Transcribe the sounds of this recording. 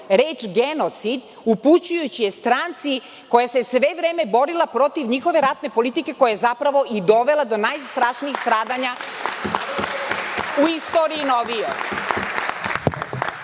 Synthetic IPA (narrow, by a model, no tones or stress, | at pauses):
ɾeːt͡ʃɡe̞not̪sid̪ | uput͡ɕujut͡ɕijest̪ɾant̪si | ko̞jase̞sʋe̞ʋɾeːme̞bo̞ɾilˠapɾo̞t̪iʋɲixo̞ʋe̞ɾat̪ne̞po̞lit̪ike̞ko̞jajezapɾaʋo̞ʔid̪o̞ʋe̞lˠad̪o̞najst̪ɾaʃniixst̪ɾaːd̪aɲa | uist̪oːɾiːnoʋijo